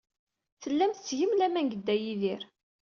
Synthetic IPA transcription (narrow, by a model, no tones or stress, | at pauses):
θəlːæmθt͡sːʝəmlæmænɡəd̪ːæjiðiɾ